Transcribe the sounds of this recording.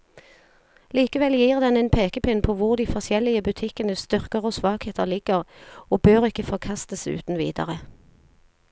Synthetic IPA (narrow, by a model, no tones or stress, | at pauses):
liːkəʋɛljiːʁd̪ɛnɛnpʰeːkəpɪnpʰoːʋʊʁd̪iːfɔsjɛlɪəbʉt̪ʰɪkənəst̪ʏʁkəʁoːsʋɑːkheːt̪əʁlɪɡ̥əʁoːbøːʁɪkəfɔʁkʰɑst̪əsʉ̰ːt̪n̩ʋḭːd̪ə̰ʁə